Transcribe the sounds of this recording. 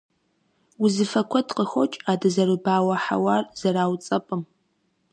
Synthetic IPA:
wʊzɨfɐkʷʰɔdqəxʷɔt͡ʃʼaːdɐzɐrɨbaːwɐħa̰waːrz̥ɐɾaːwt͡sʼɐpʼɨm

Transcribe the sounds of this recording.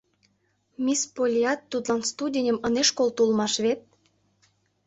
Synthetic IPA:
mʲispolʲiɑt̪ːut̪lɑnst̪udʲenʲəməneʃkolt̪ulmɑʃβet̪̚

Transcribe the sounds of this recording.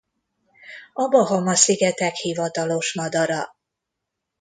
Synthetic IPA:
ɒbɒɦɒmɒsiɡɛt̪ɛkhivɒt̪ɒlo̞ʃmɒd̪ɒɾɒ

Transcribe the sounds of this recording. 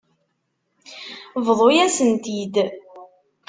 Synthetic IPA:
vðˤojæsənt̪id̪

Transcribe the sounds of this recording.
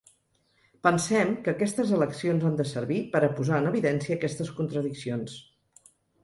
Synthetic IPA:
pənsɛmkəːkɛst̪əzələksionzand̪əsəɾβipəɾəpuzaənəβiðɛnsiəːkɛst̪əskunt̪ɾəðiksions

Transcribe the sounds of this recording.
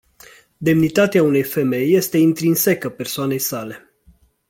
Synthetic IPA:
d̪e̞mnit̪at̪eaune̞jfe̞me̞jːe̞st̪e̞int̪ɾinse̞kəpe̞rsoane̞jsale̞

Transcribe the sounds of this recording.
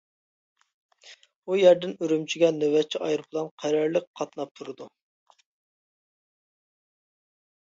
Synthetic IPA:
ujæɾd̪ɪnøɾymt͡ʃʰiɡʲɛnøwɛt͡ʃʰːiʔɑjɾbʰlˠɑnqʰæɾɛɾlɨk̚ʲqʰɑt̪nɑp̚t̪ʰuɾɨd̪u

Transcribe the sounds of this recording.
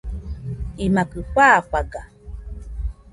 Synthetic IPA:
imakɨɸaːɸaɡa

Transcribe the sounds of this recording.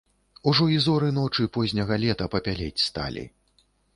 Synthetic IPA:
uʐɔizɔɾɨnɔt͡ʂɨpɔzʲnʲɐɣɐlʲɛt̪ɐpɐpʲalʲɛt͡sʲst̪a̰lʲḭ

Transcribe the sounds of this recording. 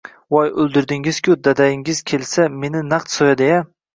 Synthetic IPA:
wɒjɵlˠd̪ɪɾd̪ɪŋɪz̥kʲʰʊd̪ad̪ajɪŋɪz̥kʲʰe̞lsame̞nɪnaqt̪sɒjad̪eja

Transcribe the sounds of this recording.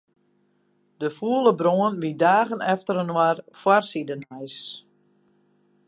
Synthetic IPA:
dəfuələbroənʋidaːɣənɛftəɾənwarfwarsidənɛjs

